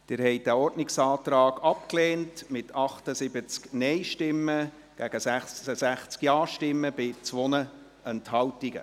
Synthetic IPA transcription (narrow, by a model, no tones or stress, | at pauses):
d̪̥ɪɾhɛɪt̚d̥æɔrdnɪksɑːt̪ɾɑːɡɑp̚kleːntmɪtʰɑχtəsɪbət͡sknɛɪʃtɪmːə | ɡ̥æɡ̥əsæəsæχt͡skjɑːʃtɪmːəb̥ɪt͡sʋɔnə | ɛnthɑltiɡə̰